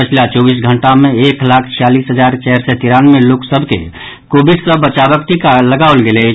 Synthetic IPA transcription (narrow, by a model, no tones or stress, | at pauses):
pət͡ʃʰlat͡ʃɔbis̬ɡʱəɳʈameeklakʰt͡ʃʰijalisɦəd͡ʒaɾt͡ʃɛɦɾsɛt̪iɾanmeloksəbʱkḛ | kobissəbət͡ʃabəkt̪ikaləɡaolɡelɛ